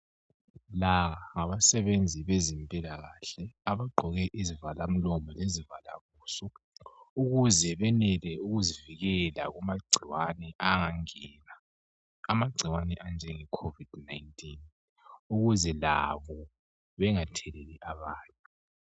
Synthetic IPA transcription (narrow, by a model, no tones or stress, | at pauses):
laɣaŋaβasɛβend͡zʱiβezimpʼilaɣaɬɛaβaɡ͡ǃʱɔɣɛʔizivalam̩lɔmɔlezivala̰βuːsɔuɣuzɛβɛnɛlɛuɣuziviɣɛlaɣumaɡ͡ǀʱiwanɛʔaŋaŋɛːna | amaɡ͡ǀʱiwanɛʔand͡ʒʱɛŋɛkʰovid̥najntʼin | uɣuzɛla̰βɔ | βɛŋatʰɛlɛliʔaβaːntʼu